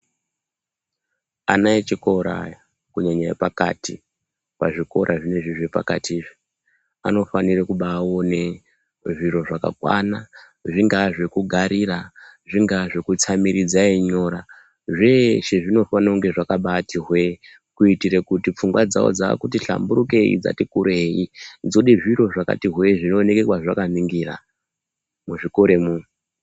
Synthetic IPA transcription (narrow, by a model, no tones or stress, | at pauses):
a̰nait͡ʃikoɾa̰j | kuɲaɲaepaka̰ti | paʐiko̞ɾʔaʐine̞ʐiʐepa̰ka̰tiːʐi | ano̞fanirekuɓaːwone̞ | ʐiɾo̞ʐaka̰kwa̰na | ʐiŋɡaʐekuɡʱaɾiraʐiŋɡaʐekut͡samiɾid͡zaiɲo̞ɾa | ʐeʃeʐino̞fanauŋɡe̞ʐakaɓatiɦwe̞ | kuitiɾekutip͡fuŋɡwad͡za̰o̰d͡za̰kutiɬa̰mbuɾuke̞ḭd͡za̰tikuɾeid͡zo̞ɗiʐiɾo̞ʐaka̰tiɦwe̞ʐino̞ne̞ke̞kwaʐakaniŋɡira̰ | muʐiko̞ɾe̞mu